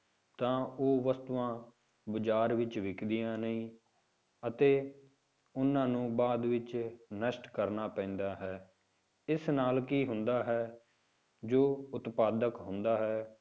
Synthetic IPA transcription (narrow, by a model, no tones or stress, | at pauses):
t̪ãːoːʋəst̪uʋãː | bəd͡ʒaːɾʋɪt͡ʃʋɪkʰd̪ɪjãːnəĩː | ət̪eː | ʊnːãːnũːbaːd̪ʋɪt͡ʃnəʃʈkəɾnaːpɛ̃ːnd̪aːɦɛː | ɪsnaːlkiːɦʊnd̪aːɦɛː | d͡ʒoːʊt̪paːd̪əkɦʊ̃nd̪aːɦɛː